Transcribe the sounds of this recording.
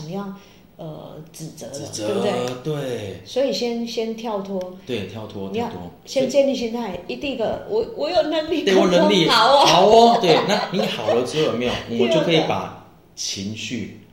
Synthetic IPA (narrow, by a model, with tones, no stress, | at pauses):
ŋjɑ˥˩ŋ | ə̰˩t͡sɻ̩˨˩t͡sə̰˧˦˨e˥˩bu˦t̪we˥˩t̪we˥˩swɔ˧˥i˨˩ɕjɛ˦˥nɕjɛ˦nt̪ʰjɑ˥˧˩ʊt̪ʰwɔ˥we˥˩ɪt̪ʰjɑ˥˩ʊt̪ʰwɔ˦t̪ʰjt̪ʰwɔ̰˦ɕjɛ˦˥nt͡ɕjɛ˥˧nli˥˨˧ɕ̬ɛ˥nt̪ʰa˥˩ɪi˧˥t̪i˥˩ŋd̪ə˩wɔ˨˩wɔ˨˩jo˨˩ʊnə˧˥ŋli˥˩e˥˨˥wɔ˨˩nə˧˥ŋli˥˨ɑ˨˩˦ʊ˦a˨˩ʊ˦t̪we˥˩ɪna˥˨ni˨˧˦xɑ˨˩ʊlə˦t͡s̩˥˦˥jo˨˩me˥˩jo˨˩ni˨jo˥˨kʰɤ˧˦i˨˩pa̰˨˩ | t͡ɕʰi˧˦ŋɕy˥˨